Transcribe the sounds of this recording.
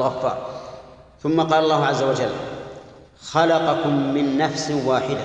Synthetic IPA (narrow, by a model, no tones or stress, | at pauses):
lɣɑfːɑ̰ːɾˤ | θʊmːaqɑːlɑlˤːɑːhʊʕazːawad͡ʒalː | xɑlɑqɑkʊmːɪnːafswaːħɪd̪a